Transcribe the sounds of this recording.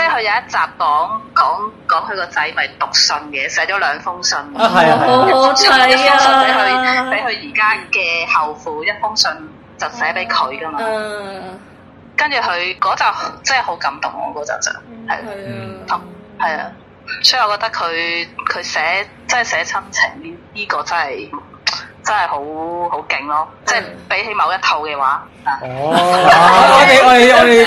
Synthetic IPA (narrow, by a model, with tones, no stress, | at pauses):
t͡sɛː˥˩hɵ˨˧ɥjɐ˨˧jɐ˥t̚t͡saː˨p̚kɔː˨˥ŋkɔː˨˥ŋkɔː˨˥ŋhʰɵ˨˧ɥkɔː˧t͡sɐ˧jmɐ˨jt̪ʊ˨k̚sɵ˧nkɛː˧sɛː˨˥t͡ʃɔː˨˥lœː˨˧ŋfʊ˥ŋsɵ˧nkɐ˥˨˥ | ji˥fʊ˥ŋspe˨˥jhɵ˧pe˨˥jɦɵ˨˧ɥjiː˨˩kaː˥kɛː˧hɐ˨wfuː˨˥jɐ˥t̚fʊ˥ŋsɵ˧n | t͡sɐ˨wsɛː˨˥pe˨˥jkʰɵ˨˧ɥkɐ˥maː˧ | kɐ˥nt͡ʃyː˨˩ɦɵ˨˧ɥkɔː˨˥t͡sɐ˨˩wht͡sɐː˥˨ho˨˥wkɐ˨˥mt̪ʊ̰˨˩ŋɔ̰ː˨˧kɔː˨˥t͡sɐ̰˨˩t͡sɐ̰ː˨˩ŋhɐ̰˨˩jla̰˨˦t̪ʰɐ˨m | hɐ˨ja̰ː˧ | sɔ̥˨˥˨ɔ˨˧kɔː˧˥t̪ɐ˥kʰɵ˨˧ɥkʰɵ˨˧ɥsɛː˨˥ | t͡sɐ˥nhɐ˨˩sɛː˨˥t͡sʰɐ˥mt͡sʰɪ˨˩ŋjiː˥kɔː˧t͡sɐ˥nhɐ˨j | t͡sɐ˥nhɐ˨jho˨˥who˨˥wkɪ˨ŋlɔː˥t͡sɛː˥˩jpe˨˥jɦe˨˧jmɐ˨˧wjɐ˥t̪ʰo˧wkɛː˧waː˨˥ | aː˨˩˨